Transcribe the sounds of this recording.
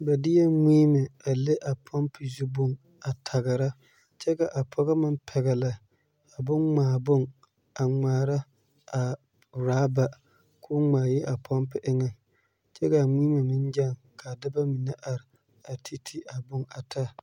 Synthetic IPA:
bɛ˨dɪ˦jɛ˦ŋiː˦mɪ˨a˨lɪ˦ʔa˨pʰɔ˦mpɪ˨zu˦bʊ˦ŋ | a˨tʰa˨ɣɪ˨ɾa˦ | t͡ʃɛ˦ka˨ʔa˨pʰɔ˦ɣa˦mɪ˦mpʰɛ˨ɣɛ˨la˨ | a˨bʊ˦nŋ͡maː˨bʊ˦ŋ | a˨ŋ͡maː˨ɾa˦ | a˨ | ɾaː˨˦ba˨ | kʰʊ˦ŋ͡maː˨jɪ˦ʔa˨pʰɔ˦mpɪ˨ʔɪ˦ŋɛ˦ | t͡ʃɛ˦ka˨ŋiː˦ma˨mɪ˦nd͡ʒa˦˨ŋ | ka˨dɪ˦ba˦mi˨nɛ˦ʔa˨ɾɪ˨ | a˨tʰi˦tʰi˦ʔa˨bʊ˦ŋa˨tʰa˦

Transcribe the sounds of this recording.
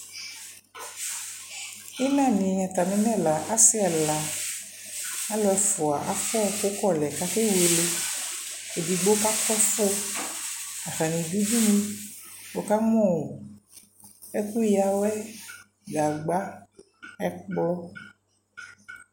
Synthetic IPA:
i˦nã˦˨nĩ˨ɲã˨t̪a˨mẽ˨nɛ̃˦˨la˨ʔa˦si˦a˨la˨ | a˦lɔ˦ɛ˨fo˨a˨ʔa˨fɔ˦˨ko˦kɔ˦˨lɛ˨ka˦ke˦we˨le˦ | e˨di˨ɡ͡bo˦ka˦kɔ˦fo˦ | a˨xa˨nĩ˨di˦di˦nĩ˦wo˨ka˦mɔ̃˦˨wo˨ | e˦ku˦ja˨wɛ˦ | ɡa˨ɡ͡ba˦ | ɛ˨k͡plɔ˦

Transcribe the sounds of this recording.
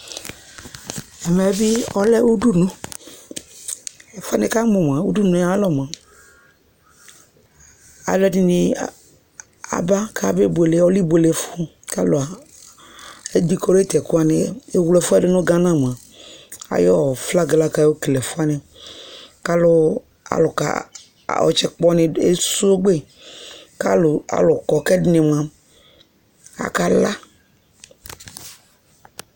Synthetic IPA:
ɛ˨mɛ˨˦bɪ˦ɔ˦lɛ˦u˦du˦nʊ̃˦˨ | fʊ˦a˦nɪ˦ka˦mʊ˨m˨a˨u˦du˦nʊ̃˨˦a˨˦lɔ˦m˨a˨ | a̰˨lɛ˦dɪ˦nɪ˨ | a̰˨ba˦kʰa˦be˦be˨le˨˦ɔ˦li˦be˨le˨˦fʊ˦ | ka˦lʊ˨a˨ | ɛ˦d̪i˦kɔ˦ɾe˦t̪ɛ˨kʊ˦a˦nɪ˦e˦wlɛ˨fu˦a˨ɖe˦nõ˦ɡã˦nã˦˨m˨a˨ | a̰˨jɔ˦˨fla˦ɡla˦ka˦˨˦wo˦klɛ˨fo˦a˦ne˨ | ka˦lʊ˦ | a̰˨lʊ˨ka̰˨ | ɔ̰˨t͡ʃɛ˦k͡pɔ˦nẽ˨e˦su˦ɡ͡be˦ | ka˦lʊ˨a̰˨lʊ˨kɔ˨kɛ˦dne˨mã˦ | a̰˨ka˦la˦

